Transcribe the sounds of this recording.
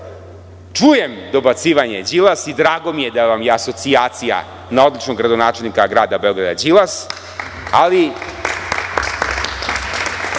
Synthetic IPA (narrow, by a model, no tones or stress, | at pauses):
t͡ʂujemd̪o̞bat̪siːʋaɲe̞d͡ʑilasid̪ɾaːɡo̞mijed̪aʋamjeaso̞t̪siaːt̪sija̰ | nao̞d̪lit͡ʃnoɡɾad̪onaːt͡ʃe̞lnikaɡɾaːd̪abeoɡɾad̪ad͡ʑilˠas | ali